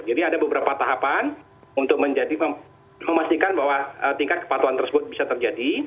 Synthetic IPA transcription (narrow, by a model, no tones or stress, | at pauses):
d͡ʒadiadabəbəɾapat̪aɦapan | unt̪ʊk̚məɲd͡ʒadiə | məmast̪ikanbaɦwaət̪iŋkat̪̚kə̥pat̪uant̪ərsəbʊt̪̚bisat̪ərd͡ʒadi